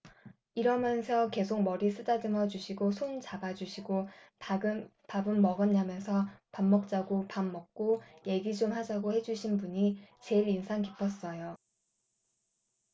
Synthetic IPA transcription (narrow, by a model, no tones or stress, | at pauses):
iɾʌmjʌnsʰʌke̞sʰok̚mʌɾis͈ʰɯdadɯŋʌd͡ʑuɕʰiɡosʰont͡ɕabad͡ʑuɕʰiɡo | pabɯnːʌɡɯnamjʌnsʰʌpamːʌk̚t͡ɕ͈aɡopamːʌk̚k͈oje̞ɡid͡ʑomhad͡ʑaɡohe̞d͡ʑuɕʰinbuɲit͡ɕe̞iɾinsʰaŋkipʰʌs͈ʌjo